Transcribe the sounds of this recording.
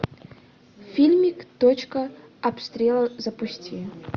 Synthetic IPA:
fʲilʲmʲikt̪ot͡ɕkɐɐpst̪ɾʲelˠɐzɐpusʲtʲi

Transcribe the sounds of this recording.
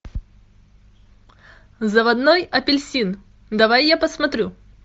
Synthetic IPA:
zəvɐd̪nojɐpʲɪlʲsʲin | d̪ɐvajːapəsmɐt̪ɾʲu

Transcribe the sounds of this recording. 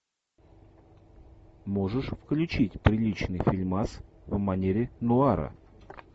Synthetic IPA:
mo̞ʐɨʂfklʲʉt͡ɕitʲpɾʲɪlʲit͡ɕnɨjfʲɪlʲmasvmɐnʲeɾʲɪnʊaɾə̰

